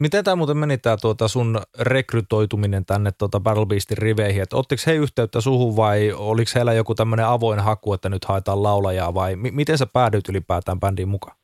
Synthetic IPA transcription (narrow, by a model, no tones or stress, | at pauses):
mit̪ent̪æːmuːt̪emmenit̪ːˑæːt̪uot̪ɑsunrekryt̪ˑoit̪uminent̪ænːet̪t̪ːot̪ɑbærlbiːst̪irriʋeihiet̪ːot̪ːiksheiyht̪eyt̪ːæsuhuʋʋɑioliksheilæjokut̪æmːøneɑʋoinhɑkuet̪ːænyt̪hɑˑet̪ɑːllɑulɑjɑːʋɑimimit̪ensepæːɾyːt̪ylipæːt̪æːmpændiːmmukɑ̥